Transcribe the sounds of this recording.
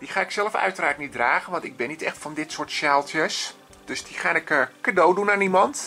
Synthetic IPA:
d̥iχaːɪksɛlˠəfœ̰ɥtəraːrtnit̚draːɣənʋɔntɪɡ̚bɪnːitɛxtfɔndɪtsoːtʃjaːlˠtjəs | d̥øsdiχaːnɪkəkadowdunanimɔnt

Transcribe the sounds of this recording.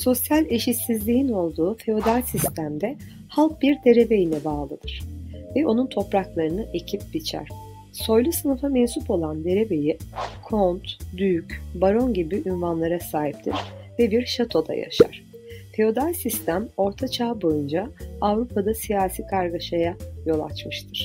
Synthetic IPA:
so̞sjalʲe̞ʃit̪sizlʲijino̞lˠd̪uːfe̞o̞d̪alʲsist̪ʰæmd̪ɛ | halˠk̚biɾd̪e̞ɾe̞be̞jinɛbaːlˠɯ̰d̪̥ɯɾ̥vɛʔo̞nunt̪ʰo̞pɾaklˠaɾɯnɯʔe̞cʰip̚bit͡ʃʰæ̰ɾ̥ | so̞jlˠusɯnɯfamensupʰo̞lˠand̪e̞ɾe̞be̞jikʰont̪d̪yycbaɾo̞nɟibiʔynvanlˠaɾasaːɦip̚t̪ʰḭɾ̥vɛbiɾʃat̪ʰo̞d̪a̰ja̰ʃa̰ɾ̥ | fe̞o̞d̪alʲsist̪ʰæmo̞ɾt̪ʰat͡ʃʰaːbo̞jund͡ʒaavɾupʰad̪asijaːsiːkʰaɾɡaʃajajo̞lˠa̰t͡ʃmɯʃt̪ʰɯɾ̥

